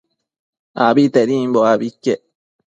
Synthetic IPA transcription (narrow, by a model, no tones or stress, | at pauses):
a̰bit̪eɾimboabikːe